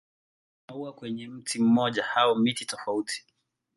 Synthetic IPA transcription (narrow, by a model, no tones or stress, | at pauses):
nauakwɛɲɛm̩tʰim̩mɔʄahaɔmititɔfautʰi̥